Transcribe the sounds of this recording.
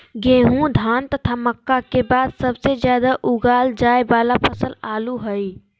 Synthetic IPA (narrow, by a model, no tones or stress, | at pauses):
ɡẽːɦũd̪ʱaːnt̪ət̪ʰaməkːakebaːd̪səbsezjaːd̪aʔuɡaːld͡ʒaːebaːlapʰəsəlaːluɦəi